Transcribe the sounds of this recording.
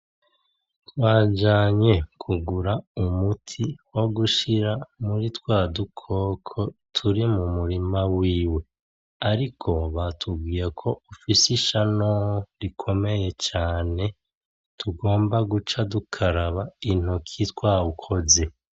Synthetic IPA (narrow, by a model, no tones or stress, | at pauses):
twaːd͡ʒaːɲe̞kʰuɡuɾaumutʰiwo̞ɡuʃiɾamuɾitwaːdukʰo̞kʰo̞tʰuɾimumuɾimawiːwe̞ | aɾikʰo̞βatʰubɡiːjakʰo̞ufisiʃanoɾikʰo̞me̞je̞t͡ʃaːne̞ | tʰuɡo̞ːmbaɡut͡ʃadukʰaɾaβain̥okʰitwaukʰo̞ze̞